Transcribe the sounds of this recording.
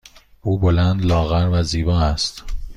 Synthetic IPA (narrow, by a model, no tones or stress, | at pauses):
ʔuːbolænd̪lɒːɣæɾvæziːbɒːæst̪